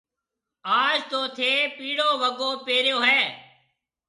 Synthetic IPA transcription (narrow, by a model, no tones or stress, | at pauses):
aːd͡ʒt̪oːt̪ʰeːpiːɽoːʋəɡoːpeːɾjoːɦɛː